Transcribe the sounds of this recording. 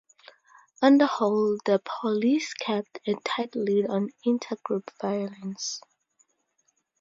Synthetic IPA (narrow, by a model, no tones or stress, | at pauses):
ʌ̃ndəhɔlˠðəpʰɔliskʰɛp̚tʰɨ̃ntʰaɪtl̩idɔ̃nɪ̃ntʰəɡɹupv̥ajələ̃ns